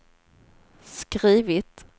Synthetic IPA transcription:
skɾiːvɪt̪

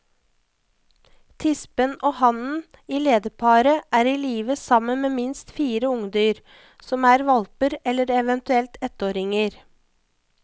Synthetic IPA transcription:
t̪ʰɪspənoːhɑnn̩ | iːleːd̪əpʰɑːɾəʔæːɾiːliːʋəsɑmənmeːmɪnst̪fiːɾəʊŋd̪yːɾ | sɔmæːɾʋɑlpəɾɛlːəɾɛʋɛnt̪ʉɛlt̪ɛt̪oːɾɪŋəɾ

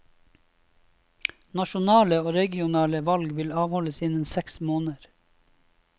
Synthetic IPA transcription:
nɑʃʊnɑːləoːɾɛɡɪʊnɑːləʋɑlɡʋɪlɑːʋhɔləsɪnənsɛksmoːnəɾ

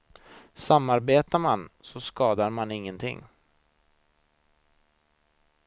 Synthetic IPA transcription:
samːaɾbeːt̪amansɔskɑːd̪aɾmanɪŋːənt̪ʰɪ̰ŋː

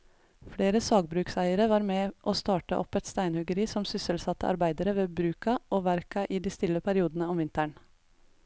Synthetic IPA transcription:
fɽeːɾəsɑːɡ̚bɾʉːksæɪəɾəʋɑːɾmɛːʔoːst̪ɑːʈəʔɔ̰pɛt̪st̪æɪnhʉɡəɾiːsɔmsʏsəlsɑt̪ːə̰ʔɑ̰ɾbæɪd̪əɾəʋeːbɾʉːkɑʔoːʋæɾkɑʔiːd̪iːst̪ɪlːəpʰæɾɪuːd̪ənəɔmʋɪnt̪æɳ

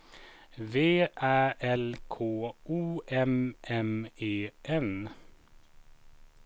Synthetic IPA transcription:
ʋeːʔæːʔɛlkʰoːuːʔɛmʔɛmeːʔɛn

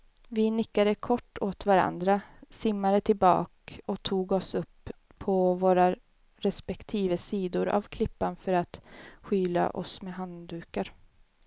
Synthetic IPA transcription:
vɪnɪkːad̪əkʰɔʈːoːt̪vaɾa̰nd̪ɾasɪmːaɾət̪ʰɪlbɑ̰ːkɔt̪ʰuːɡɔsɵpʰː | ɔvoːɾa | ɾɛspɛkt̪ʰiːvəsiːd̪ʊɾʔa̰vkʰlɪpːanfœɾat̪ɧyːla̰ʔɔ̰smɛɦand̪ʉ̟ːkaɾ

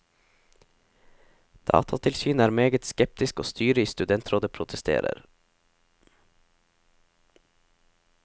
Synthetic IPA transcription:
d̪̥ɑ̰ːt̪ʰɑt̪ʰɪlsyːnæːɾmeːɡət̪skɛp̚t̪ɪsko̰ːst̪ʰyːɾəiːst̪ʉd̪ɛnt̪ʰɾoːd̪əpʰɾʊt̪ʰəst̪ʰḛːɾə̰ɾ

